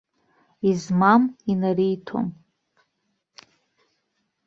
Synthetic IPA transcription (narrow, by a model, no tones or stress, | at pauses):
izmaminarijtʰo̰m